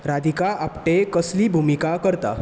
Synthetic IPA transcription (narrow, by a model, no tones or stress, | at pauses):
ɾad̪ʱikaapʈekəsliːbʱumikakəɾt̪a̰